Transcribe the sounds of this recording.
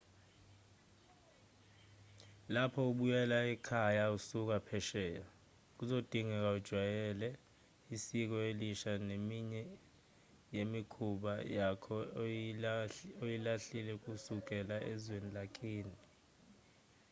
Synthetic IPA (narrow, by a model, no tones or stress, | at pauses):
lapʰɔuɓujɛlaɛkʰajausuk̬apʰɛʃɛːjɔ | k̬uzod̥ʱiŋɛk̬aud̥ʒ̥ʱwajɛlɛ | isik̬ɔeliʃanemiɲɛ | jemikʰuɓajakʰɔ | ojilaɬilɛk̬ʼusuk̬ʼɛlaʔɛzwenilak̬ʰʼiːni